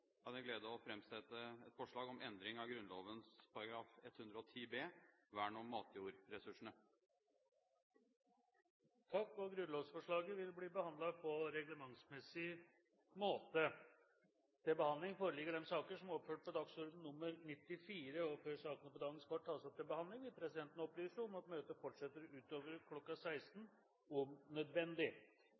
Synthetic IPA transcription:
kɑnæɡleːd̪əɔfɾɛmsɛt̪ːəɛt̪fɔʂɭɑːɡɔmɛnd̪ɾɪŋɑɡɾʉnloːʋənspʰɑɾɑɡɾɑːfɛt̪ːhʉnd̪ɾəɔt̪ʰiːbeːʋæːɳɔmːɑːt̪ʰjuːɾɾɛsʉʂɳ̩ə | t̪ʰɑkːɔɡɾʉnloːʋsfɔʂɭɑːɡəʋɪlbliːbəhɑnd̪lɑpʰɔɾɛɡləmɑŋsmɛsɪ | moːt̪ə | t̪ʰɪbəhɑnd̪lɪŋfoːɾəlɪɡːəɖɛmsɑːkəʂɔmɔpføːʈ̚pɔd̪ɑɡsɔɾd̪n̩ːʊmːəɾnɪt̪ːɪfiːɾəɔføʂɑːknəpɔd̪ɑːɡənskʰʋɑʈ̪ʰːɑːsɔp̚t̪ʰɪbəhɑnd̪lɪŋʋɪpʰɾɛsɪd̪ɛnt̪ənɔplyːsəɔmɑt̪møːt̪əfɔʈʂɛt̪ːəɾʉːt̪oːʋəɾkʰlɔkːɑsæɪst̪n | ʊmnœd̪ʋɛnd̪ɪ

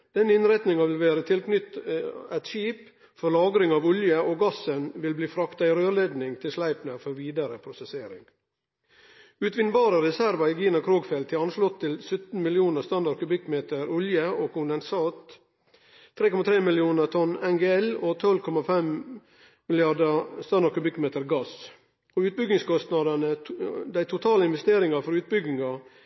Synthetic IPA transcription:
d̪̥ɛnɪnɾæt̪nɪŋɑʋɪlʋæːɾət̪ʰɪlkʰnʏt̪ːæt̪ʃiːp | fɔɾlɑːɡɾɪŋɑːʋʊljəoːɡɑsənʋɪlbliːfɾɑkt̪ɑɪɾøːɭeːd̪nɪŋt̪ʰɪlslæɪpnəfɔɾʋiːd̪əɾəpʰɾʊsɛseːɾɪ̰ŋ | ʉːt̪ʋɪnbɑːɾəɾɛsæɾʋɑiːɡiːnəkʰɾoːɡfeːlt̪ʰːɪɑnʂlɔt̪ʰːɪlsʉt̪n̩mɪlɪuːnəst̪ɑnd̪ɑɖ̚kʉbɪkmeːt̪əɾʊljəoːkʰʊnd̪ɛnsɑːt̪ | ɾeːkɔmɑt̪ʰɾeːmɪlɪuːnəɾt̪ʰɔnɛŋɡeːɛloːt̪ʰɔlkʰɔmɑfɛm | mɪlɪɑd̪əst̪ɑnd̪ɑɾkʉbɪkːmeːt̪əɾɡɑs | oːʉːt̪̚bʏɡɪŋskɔst̪nɑd̪ɑnəd̪æɪt̪ʰʊt̪ʰɑːləɪnʋɛst̪eːɾɪŋɑfɔɾʉːt̪̚bʏɡɪŋɑ

